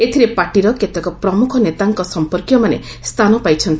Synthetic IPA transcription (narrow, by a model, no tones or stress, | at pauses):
et̪ʰiɾepaʈiɾɔket̪ɔkɔpɾɔmukʰɔnet̪aŋkɔsɔmpɔɾkjɔmanḛst̪ʰanɔpajt͡ʃʰɔnt̪i